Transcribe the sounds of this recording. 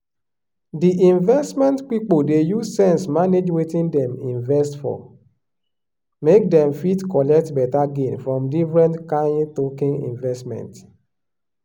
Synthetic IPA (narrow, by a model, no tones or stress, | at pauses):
diʔĩɱvɛstmɛ̃ntk͡pik͡podejuzsɛ̃nsmaned͡ʒwetĩndɛ̃mĩɱvɛstfɔ̰ | mek̚dɛ̃mfitkɔlɛk̚tbɛtaɡenfɹɔ̃mdifɹɛ̃ntkãɪ̃ntokĩŋḭ̃ɱvɛstmɛ̰̃nt